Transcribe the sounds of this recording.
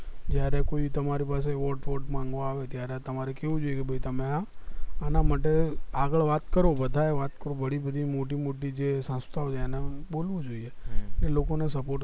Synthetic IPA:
d͡ʒjaɾekoit̪əmaɾipaseʋɔɾʈʋɔʈmãŋɡʋõaʋet̪jaɾet̪əmaɾekeʋũd͡ʒoijekebʱəit̪əmeãanamaʈeaɡəɭʋat̪kəɾobəd̪ʱaeʋat̪kəɾobəɽibəd̪ʱimoʈimoʈid͡ʒesə̃st̪ʰaot͡ʃʰeenebolʋod͡ʒoiekelokonesəpoʈ

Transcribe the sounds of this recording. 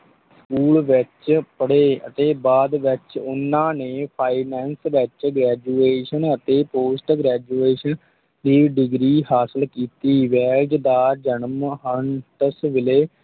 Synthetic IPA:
skuːlʋɪt͡ʃpəɽeːə̰t̪eːbaːd̪ʋɪt͡ʃʊnãːneːpʰaːiːnɛ̃ːnsʋɪt͡ʃɡɾɛːd͡ʒuːeːʃənət̪eːpoːsʈɡɾɛːd͡ʒuːeːʃən | d̪iːɖɪɡɾiːɦaːsəlkiːt̪iːʋɛːld͡ʒd̪aːd͡ʒənəmɦəɳʈəsʋɪleː

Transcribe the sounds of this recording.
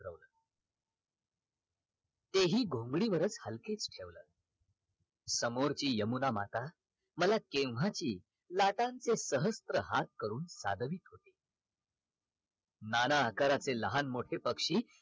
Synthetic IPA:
ɾə̰ʋləː | t̪eɦiːɡʱõŋɡɽiːʋəɾət͡shəlket͡sʈʰeʋlə̰ː | səmoɾt͡ɕiːjəmunama̰t̪a | məlakẽwʋ̤at͡ɕiː | laʈãnt͡sesəɦəst̪ɾəɦat̪̚kəɾuːnsa̰d̪ʱəʋiːt̪ɦot̪e | nanaːkaɾat͡seləɦanmoʈʰepəkʂiː

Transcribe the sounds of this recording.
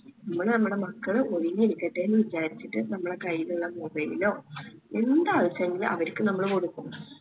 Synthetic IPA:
nnɐmːɐɭnɐmːuɽe̞mɐkːɐɭɨoɻiɲːiɾikʲːɐʈːeːnːɨʋit͡ɕaːɾit͡ɕːiʈːɨnɐmːɐɽe̞kɐjːiluɭːɐmubɐjilo̞ːend̪aːðɐsɐŋilɐ̰ʋɐɾkʲːɨnɐmːɐɭko̞ɽukːum

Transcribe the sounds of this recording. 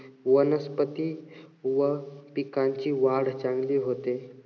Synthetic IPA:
ʋənəspət̪iːʋəpikãɲt͡ɕiːʋaɽt͡sãŋɡliːɦot̪e

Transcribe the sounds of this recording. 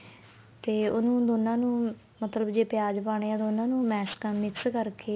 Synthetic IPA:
t̪eːʊnũːd̪oːnːãːnũː | mət̪ləbd͡ʒeːpɪjaːd͡ʒpaːɽ̃eːãːd̪oːnãːnũːmɛːskəmɪkskəɾkeː

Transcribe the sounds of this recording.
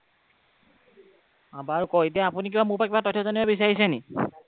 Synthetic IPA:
abaɹkɔjetiaapunik̬ibamuɹpakibatɔtʰːɔzɔniɛbis̬aɹisɛni

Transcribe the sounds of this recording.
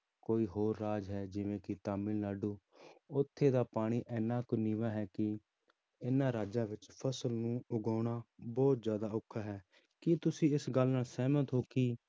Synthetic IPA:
koːiːɦoːɾːaːd͡ʒɦɛːd͡ʒɪʋẽːkɪt̪aːmɪllaːɖuː | ʊt̪ʰːeːd̪aːpaːɽ̃iːʔɛːnːãːkʊniːʋaːɦɛːkɪ | ɪnːãːɾaːd͡ʒãːʋɪt͡ʃpʰəsəlnũːʊɡaːɽ̃aːbɔːt̪zjaːd̪aːʊkʰːaːɦɛː | kɪt̪ʊsĩːɪsɡəlnaːlsɛːmət̪ɦoːkiː

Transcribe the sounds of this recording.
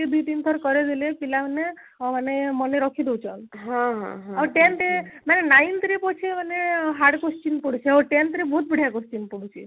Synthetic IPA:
id̪ujd̪int̪ʰɔɾkɔɾed̪ilepilamane | manemɔneɾɔkʰid̪ewt͡ʃʰɔnɦãɦã̰ɦãawʈent̪imanenajnt̪ɾipɔt͡ʃʰimaneɦaɾɖkust͡ʃinpɔɽut͡ʃʰiaʈent̪ɾibɔut̪̚biɽ̤ʱjakost͡ʃinpɔɽut͡ʃʰḭ

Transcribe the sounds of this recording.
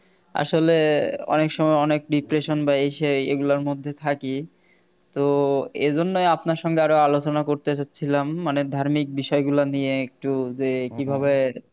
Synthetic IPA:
a̰ʃoleɔ̰nekʃɔmɔeɔnek̚ɖipɾeʃonbaeʃeḛɡulaɾmod̪ʱːet̪ʰaki | t̪oḛd͡ʑonːojapnaɾʃɔŋɡeaɾoalot͡ɕonakoɾt̪et͡ɕatːɕʰilamːaned̪ʱaɾmik̚biʃɔeɡulanieek̚ʈud͡ʑekibʱaβe

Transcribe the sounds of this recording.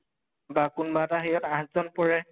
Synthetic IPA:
bakunbataɦejɔtãɦtzɔnpɔɹɛ

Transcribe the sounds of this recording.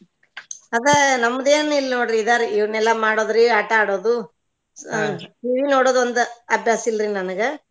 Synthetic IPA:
ɐd̪enɐmːɐd̪eːnilːnoːɽɾiːd̪aːɾiiʋɐnɛlːɐmaːɽoːd̪ɾiaʈɐaːɽoːd̪u | ʈiːʋinoːɽoːd̪ond̪uɐbʱjaːsilɾinɐnɐɡe

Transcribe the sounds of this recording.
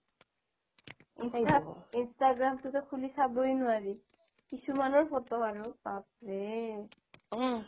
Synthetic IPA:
nainstaɡɹamtʊkɛkʰulisabojnʊaɹi | kisumanɔɹfʰɔtɔaɹupap̚ɹe

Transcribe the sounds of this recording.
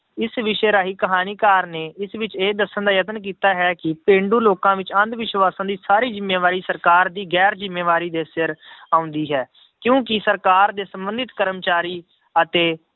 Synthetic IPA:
ɪsʋɪʃeɾaːɦiːkəɦaːniːkaːɾneːɪsʋɪt͡ʃeːd̪əsːənd̪aːjət̪ənk̬iːt̪aːɦɛːkɪpẽːɳɖuːloːkãːʋɪt͡ʃə̃nd̪ʋɪʃʋaːsãːd̪iːsaːɾiːd͡ʒɪmːeːʋaːɾiːsəɾkaːɾd̪iːɡɛːɾd͡ʒɪmːeːʋaːɾiːd̪eːsɪɾaːʊ̃nd̪iːɦɛː | kjõːkɪsəɾkaːɾd̪eːsəmbə̃nd̪ɪt̪kəɾəmt͡ʃaːɾiː | ət̪eː

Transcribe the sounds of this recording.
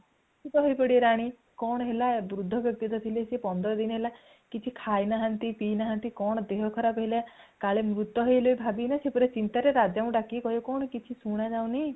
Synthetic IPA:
tit̪ɔɦojpɔɽiɾaɽ̃i | kɔɽ̃ɔɦelabɾud̪ʱːɔbjɔk̚t̪it̪ɔt̪ʰilesepɔnd̪ɔɾɔd̪inɔɦela | kit͡ʃʰikʰajnaɦant̪ipinaɦant̪ikɔɽ̃ɔd̪eɦɔkʰɔɾapɦelakaɭemɾut̪ːɔɦojɦlojbʱabinasepɔɾet͡ʃint̪aɾeɾad͡ʒaũɖakikɔɦjɔkɔɳ̃ɔkit͡ʃʰisuɽ̃ad͡ʒaw̃ni

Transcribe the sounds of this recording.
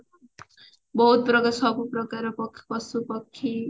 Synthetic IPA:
bʌɦut̪̚pɾʌkasʌkuprʌkaɾpʌkʰːpʌsupʌkʰːi

